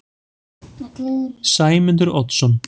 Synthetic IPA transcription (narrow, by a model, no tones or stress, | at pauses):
saːjmɪnt̪̬əɾɔt̪sɔn